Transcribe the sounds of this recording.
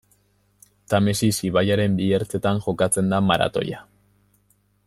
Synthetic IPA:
t̪amesisiβajaɾe̞mbieɾt͡se̞t̪aŋʝo̞kat͡se̞nd̪amaɾa̰t̪o̞̰ja

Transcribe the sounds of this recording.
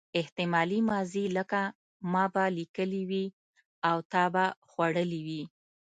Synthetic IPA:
ɪht̪ɪmɑlimɑziləka | mɑbalikəliwi | awt̪ɑbaxwaɽəliwi

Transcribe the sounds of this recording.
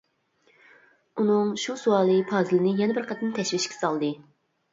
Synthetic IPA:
unɨŋʃusuɑːlˠɨpʰɑːzɨlɪnɪjɛnɛbɪɾqʰɛt̪ʰɪnt̪ʰɛʃwɪʃkʲɛ̥sɑlˠd̪ɨ

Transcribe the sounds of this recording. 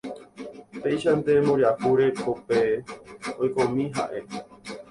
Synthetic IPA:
pejʃand̪e̞mõɾahuɾekope | ojkõmĩɦa̰ʔe̞

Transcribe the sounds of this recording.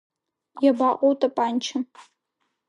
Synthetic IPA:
jabaqʷʼowtʼapʼaːnt͡ʃʰɐ

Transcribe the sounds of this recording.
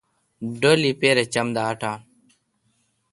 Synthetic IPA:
ɖoːlipeːɾet͡ɕɐmd̪aːʈaː

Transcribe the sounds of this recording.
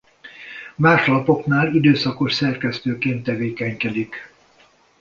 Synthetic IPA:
maːʃɒlɒpo̞knaːlid̪øːsɒko̞ʃsɛrkɛst̪øːkeːnt̪ːɛveːkɛɲkɛd̪ik

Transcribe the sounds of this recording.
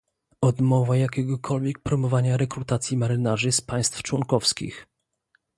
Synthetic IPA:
ɔd̪mɔvajakʲɛɡɔkʰɔlvʲjɛk̚pɾɔmɔvaɲaɾɛkɾut̪at̪sʲjimaɾɘnaʐɘspaj̃st̪ft͡ʂwɔŋkɔfskʲḭx

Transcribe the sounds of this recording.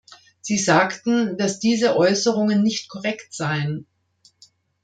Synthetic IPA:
z̥iːzaːktn̩d̥asd̥iːzəʔɔʏsəʁʊŋənːɪçtkʰɔʁɛktz̥aɪən

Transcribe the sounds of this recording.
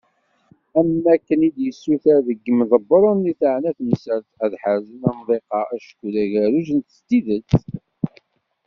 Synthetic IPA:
æmːækːənid̪jəsːuθæðəɡːəmðˤəbːəɾˤʊnːiθəʕnæθmsəɾθæðħəɾzənæmðˤeqɑæʃə̥kːuðæʝæɾuʒənt̪ə̥st̪iðət͡sː

